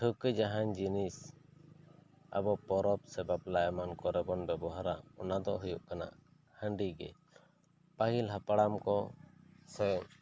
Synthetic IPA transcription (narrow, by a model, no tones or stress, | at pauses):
ʈʰukəd͡ʒaɦaɲd͡ʒinis | a̰bɔpɔɾɔp̚sɛbaplaʔɛmankɔɾɛbɔnbɛbɔɦaɾaɔnad̪ɔʔɦujuʔkana̰ʔ | həɳɖiɡɛ | paɦilɦapaɽamkɔ | sɔjɔŋ